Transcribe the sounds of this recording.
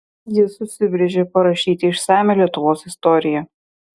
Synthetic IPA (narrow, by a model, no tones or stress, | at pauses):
jɪsʊsʲɪbʲɾʲɛʒʲepɐɾɐʃʲiːt̪ʲɪɪʃsɑːmʲelʲiɛt̪ʊʋoːsɪst̪ɔɾʲɪjɛ